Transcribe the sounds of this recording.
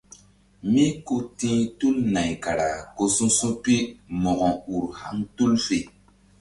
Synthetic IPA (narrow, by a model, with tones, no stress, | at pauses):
mi˦ku˦tĩ˦tu˦lna˨jka˨ɾa˨ko˧sũ˦sũ˦pi˦mɔ˨ɡɔ̃˨u˨ɾha˦ŋtu˦lfe˨